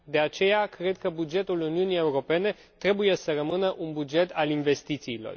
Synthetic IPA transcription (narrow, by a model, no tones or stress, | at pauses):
d̪e̞at͡ʃe̞jakɾe̞d̪̚kəbud͡ʒe̞t̪uluniunije̞uɾo̞pe̞ne̞ | t̪ɾe̞buje̞səɾəmɨnəʔunbud͡ʒe̞t̪alinve̞st̪it̪siːlo̞̰r